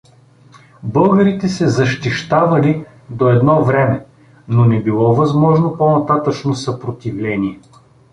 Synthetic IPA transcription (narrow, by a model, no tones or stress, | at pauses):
bɤlˠɡəɾit̪ɛsɛzɐʃt̪iʃt̪avɐli | d̪oɛd̪nɔvɾɛmɛ | nonɛbilˠɔvɐzmɔʒnoponɐt̪at̪ət͡ʃnosɐpɾot̪ivlɛniɛ